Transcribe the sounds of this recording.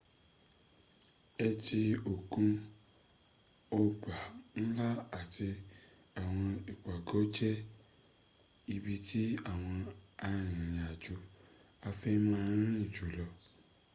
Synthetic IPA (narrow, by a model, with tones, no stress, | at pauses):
ɛ˧ti˧o˨kũ˧ | o˧k͡pa˨n̩˦la˦a˦˨ti˧ | a˨w̃ɔ̃˧i˨kʷa˨ɡɔ˨˦d͡ʒɛ˦ | i˧bi˧ti˦a˦˨w̃ɔ̃˧a˧ɾ̃ĩĩ˨ɾ̃ĩ˨a˨d͡ʒu˨ | a˧fɛ˦mã˦˧˦ɾ̃ĩ˦˨d͡ʒu˨˦lɔ˧